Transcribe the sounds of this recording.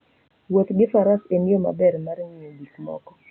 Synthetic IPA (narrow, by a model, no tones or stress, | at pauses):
wot̪ɡɪfaɾasenɪoma̰bɛɾmarɲɪodikmɔ̰kɔ̥